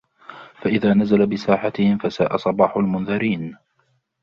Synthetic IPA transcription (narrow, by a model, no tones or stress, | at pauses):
faʔɪðaːnazalabɪsaːħat̪ɪhɪmfasaːʔasˤɑbɑːħʊlmʊnðɑɾiːn